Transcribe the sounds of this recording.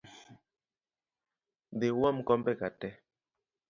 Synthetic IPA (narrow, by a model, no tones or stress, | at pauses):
dewam̩kɔmbɛkatɛ